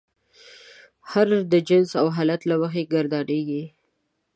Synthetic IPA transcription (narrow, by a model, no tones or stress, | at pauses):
haɾd̪əd͡ʒɪnsawɦɑlat̪lawəxeɡaɾd̪ɑɖeɡi